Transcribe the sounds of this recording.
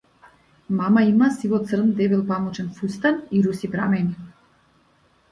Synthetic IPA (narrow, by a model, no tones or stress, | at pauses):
mamaimasivɔt̪sr̩md̪ɛvilˠpamɔt͡ʃɛnfust̪aniɾusipɾamɛni